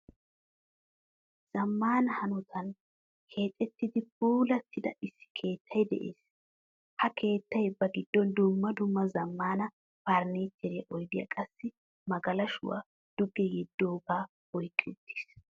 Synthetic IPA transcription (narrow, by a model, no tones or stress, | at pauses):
z̥ɐmːaːnɐhɐnʊt̪ʰɐn | kʰe̞ːt̪ʼːɛt̪ːɪd̪ɪpuːlɐt̪ʰːɪd̪ɐ̰ʔɪsːɪ̥kʰe̞ːt̪ʰːɐjd̪ɛ̰ʔḛːs | hɐkʰe̞ːt̪ːɐjbːɐɡɪd̪ːɔnd̪ʊmːɐd̪ʊmːɐzɐmːaːnɐ | paːɾneːt͡ʃːɛɾeːʔɔjd̪ɪjɐ̰kʼɐsːɪ | mɐɡɐlɐʃʊ̰wa̰ | d̪̥ʊɡɛjɛd̪ːoːɡaː | ɔjkʼːɪʊt̪ʰːi̥ːs